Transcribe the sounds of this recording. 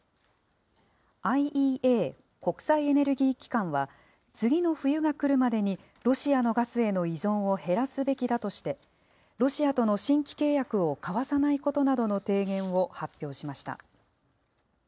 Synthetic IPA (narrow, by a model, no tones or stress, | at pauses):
aiʔiːʔeː | ko̞kɯ̟̥saie̞ne̞ɾɯ̟ɡʲiːkʲi̥kãɰ̃βa | t͡sɨɡʲino̞ɸɯ̟jɯ̟ɡakɯ̟ɾɯ̟mad̪e̞ɲ̟i | ɾo̞ɕiano̞ɡasɨe̞no̞izõ̞ɰ̃o̞he̞ɾasɨbe̞kʲid̪at̪o̞ɕi̥t̪e̞ | ɾo̞ɕiat̪o̞no̞ɕĩŋkʲi̥ke̞ːjakɯ̟o̞kaβasanaiko̞t̪o̞nad̪o̞no̞t̪e̞ːɡẽ̞ɰ̃βo̞hapʲːjo̞ːɕimaɕi̥t̪a̰